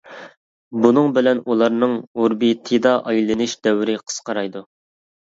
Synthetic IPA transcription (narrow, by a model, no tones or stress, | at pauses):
bunɨŋbɪlɛnulˠɑɾnɨŋuɾbit̪ʰed̪ɑʔɑjlˠɨnɨʃd̪ɛwɾɪqʰə̥sqɑɾɑjd̪u